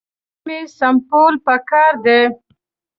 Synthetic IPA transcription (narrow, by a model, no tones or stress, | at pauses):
mesampolpəkɑːɾd̪e